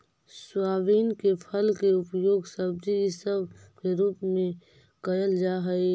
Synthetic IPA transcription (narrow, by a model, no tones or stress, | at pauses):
swaːʋiːnkepʰəlkeʊpjoːɡsəb̚disəb | keɾuːpmẽ | kəjəld͡ʒaːɦəe